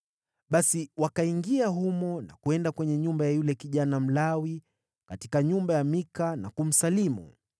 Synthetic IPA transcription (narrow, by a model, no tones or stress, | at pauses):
ɓasiwakaiŋɡiaɦumɔna̰kuɛndakwɛɲɛɲumbajajulɛkiʄanam̩lawi | katikaɲumbajamikanakum̩salimṵ